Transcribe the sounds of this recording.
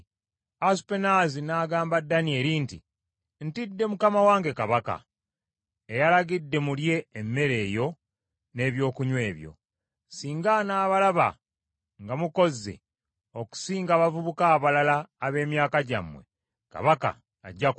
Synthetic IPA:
aspenazinaːɡaːmbadːanie̞ɾinti | n̩tidːe̞mukamawaːŋɡe̞kaβaka̰ | ejalaɡidːe̞mulje̞ːmːe̞ɾe̞ːjo̞ | ne̞ːβjo̞ːkuɲwe̞ːβjo̞̰ | siːŋɡanaːβalaβa̰ | ŋɡamuko̞zːe̞̰ | oku̥siːŋɡaːβavuβukaːβalalaːβe̞ːmjaːkaɟa̰mːwe̞̰ | ka̰βaka̰ː | ɟːa

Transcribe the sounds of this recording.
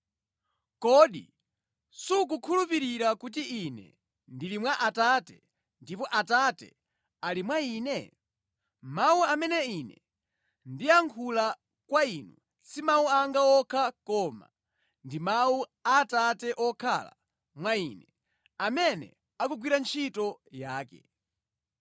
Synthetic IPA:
kɔɗi | suk̬ukʰulupiɾiɾakut̬iʔinɛ̰ | ndilimwaʔatatɛ̰ | ndipɔʔatatɛ̰ | alimwaiːnɛ | mauamɛnɛinɛ̰ | ndiaŋkʰula | kwainu | simauaŋɡaɔkʰakɔːma̰ | ndimauatatɛʔɔkʰa̰la̰ | mwaiːnɛ | amɛnɛ̰ | akuɡwiɾant͡ʃʰitɔjaːkɛ̰

